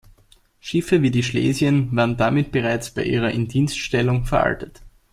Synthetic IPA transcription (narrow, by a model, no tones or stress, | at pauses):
ʃɪfəviːdiːʃlḛːzjənvaːʁəndamɪt̚b̥əʁaɪt͡sb̥aɪʔḭːʁ̞ɐʔɪntdiːnstʃtɛlʊŋfɛɐʔa̰ltət